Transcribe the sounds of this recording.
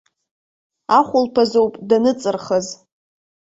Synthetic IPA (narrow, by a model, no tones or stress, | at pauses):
aχʷʊlpʰazowpʼdanɨt͡sʼɨrχəz